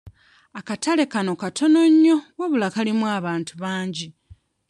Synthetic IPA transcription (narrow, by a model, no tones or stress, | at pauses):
akatale̞kano̞katʰo̞no̞ɲːo̞woβulakalimwaːβaːntuβaːɲɟi